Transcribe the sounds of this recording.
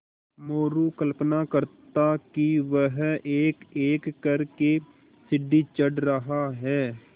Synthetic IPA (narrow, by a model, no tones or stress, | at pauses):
moːɾukəlpnakəɾt̪akiʋəɦeːkeːkːəɾke | sɪɖːit͡ʃəɖɾəɦaɦɛː